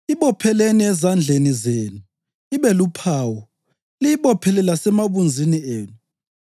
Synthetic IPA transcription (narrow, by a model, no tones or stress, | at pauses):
iɓɔpʰɛleniɛzand͡ɮʱenizeːnu | iβɛlupʰaːwɔ | lijiɓɔpʰɛlɛlasɛmaβund͡zʱinieːnu